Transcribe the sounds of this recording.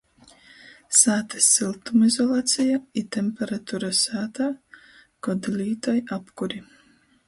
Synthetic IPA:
saːt̪asilˠt̪umizolˠaːt̪sijait̪empeɾat̪uɾasaːt̪a | ɡ̥od̪liːt̪ojapkuɾi

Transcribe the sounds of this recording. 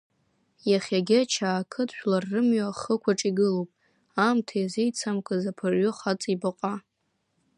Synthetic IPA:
jaχʲaɡʲɪat͡ʃʰaːkʰɨtʰʼʃᶣlarːɨmɥaχəkʷʰaʈ͡ʂʼiɡɨlowpʼ | amtʰajazejt͡sʰamkʷʰʼazapʰaʕʊχat͡sʼibaqʷʼa

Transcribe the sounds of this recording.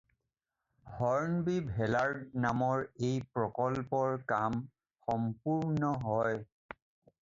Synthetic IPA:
hɔɹnbibʱɛlaɹdnamɔɹejpɹɔkɔlpɔɹkam | xɔmpuɹnɔɦɔj

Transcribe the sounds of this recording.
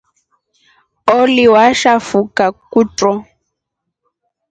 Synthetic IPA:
oliwaʃafukakutʼɔ

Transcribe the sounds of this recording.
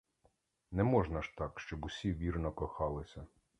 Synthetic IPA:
nɛmɔʒnɐʃt̪ɑkʃt͡ʃɔbʊsʲiʋʲirnɔkɔxɑlˠɪsʲɐ

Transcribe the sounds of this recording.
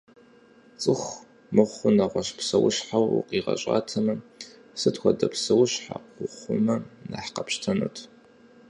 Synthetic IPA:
t͡sʼɨxʷ | mɨʁʷʊnɐʁʷɔɕpʰsɐwʊɕħawuqiːʁɐ̰ɕʼa̰ːtʰɐmɐ | sɨtxʷɔdɐpʰsɐwʊɕħa̰qʷʊχʷʊmɐnaħqɐpɕtʰɐnɨ̰tʰ

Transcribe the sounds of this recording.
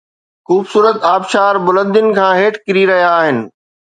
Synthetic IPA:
xuːbsuːɾət̪aːbʃaːɾbʊlə̃nd̪jʊnɪ̆kʰãːɦeːʈkɪɾiɾɐɦijaːɦɪnɪ̆

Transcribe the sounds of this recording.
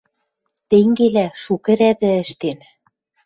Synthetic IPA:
t̪eŋɡelæʃukɘ̆ɾæðɘ̆ə̆ʃt̪en

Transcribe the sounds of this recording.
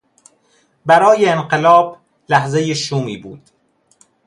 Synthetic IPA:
bæɾɒːjeːnɢelɒːb | læhzejeʃuːmiːbuːd̪̥

